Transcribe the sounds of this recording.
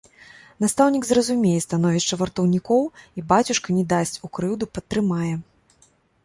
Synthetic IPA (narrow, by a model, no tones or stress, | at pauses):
n̪ast̪awnʲiɡzrɐzumʲejɛst̪anɔvʲiʂt͡ʂɐvɐrt̪ɐwnʲikɔwibat͡sʲuʂkɐnʲɛd̪asʲt͡sʲukɾɨwd̪upɐt̪ːɾɨmajɛ